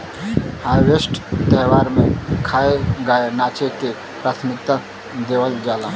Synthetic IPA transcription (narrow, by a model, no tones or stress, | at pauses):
haːʋesʈt̪əɦwaːɾmẽkʰaːeɡaːenaːt͡ʃeke | pɾaːt̪ʰəmɪkt̪a | d̪eːwəld͡ʒaːlaː